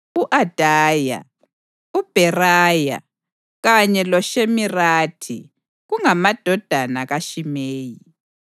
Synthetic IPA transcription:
uʔad̥ʱaːja̰ | ub̥ʱɛraːja̰ | ɣaɲɛlɔʃemiraːtʰḭ | ɣuŋamad̥ʱɔd̥ʱanaɣaʃimeːji

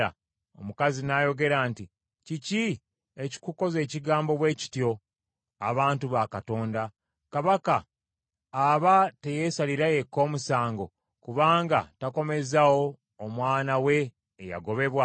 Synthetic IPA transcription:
a̰ | o̰mukazinajo̞ɡe̞ɾaːnti | cici | e̞ci̥kuko̞ze̞ːciɡaːmbo̞βwe̞ːci̥tjo̞ | a̰βaːntuβakato̞ːnda | kaβakaː | βate̞je̞saliɾaje̞kːo̞ːmusaːŋɡo̞ | kuβaːŋɡatako̞me̞zawo̞ː | mwaːnawe̞ː | ja̰ɡo̞βe̞βwa

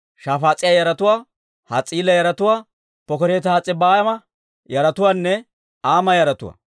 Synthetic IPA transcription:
ʃaːfaːt͡sʼɪjajɐɾɐt̪ʊwaː | hɐ̰t͡sʼiːlɐjɐɾɐt̪ʊwaː | pɔkɔɾeːt̪aːt͡sʼɪbaːjɐmɐ | jɐɾɐt̪ʊwaːnːɛ | aːmɐjɐɾɐt̪ʊ̰wa̰

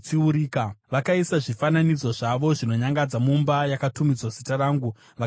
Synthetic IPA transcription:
t͡ʃiuɾiːkaʋakaisaʐifananid͡zo̞ʐaʋo̞ʐino̞ɲaŋɡad͡zamumbajakatumid͡zwazitaɾaːŋɡu | ʋa

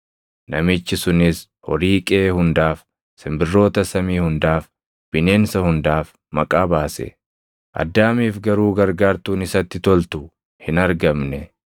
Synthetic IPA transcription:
nɐmɪt͡ʃːɪsʊnɪs | hɔɾiːkʼeːhʊnd̪aːf | sɪmbɪrːo̞ːt̪ɐsɐmiːhʊnd̪aːf | b̥ɪneːnsɐhʊnd̪aːf | mɐkʼaːbaːsɛ̰ | ʔɐ̰d̪ːaːmiːfɡɐɾuːɡɐɾɡaːɾt̪uːnɪsɐt̪ːɪt̪ɔlt̪ʊ | hɪnɐɾɡɐmnɛ

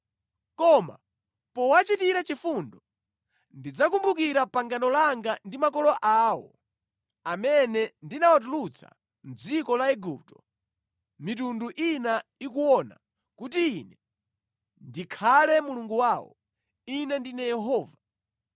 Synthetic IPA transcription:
kɔma̰ | pɔwat͡ʃitiɾat͡ʃifundɔ | ndid͡zakumbukiɾapaŋɡanɔlaŋɡandimakɔlɔʔaːwɔ̰ | amɛnɛndinawat̬ulut͡sʰa̰ | n̩d͡zikɔlaɛɡup̚tɔ | mit̬unduʔinaikuwɔna̰ | kut̬iːnɛ | ndikʰalɛmuluŋɡuwawɔ̰ | inɛndinɛjɛɦɔːva

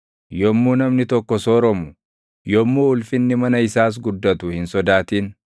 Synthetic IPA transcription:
jɔmːuːnɐmnɪt̪ɔkːɔsɔɾɔmʊ | jɔmːuʊlfɪnːɪmɐnɐɪsaːs̬ɡʊd̪ːɐt̪ʊhɪnsɔd̪aːt̪iːn

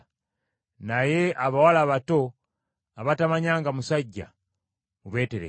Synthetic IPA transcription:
najeaβawalaβato̞ | aβatamaɲaːŋɡamusaɟːa̰ | uβe̞ːteɾḛ

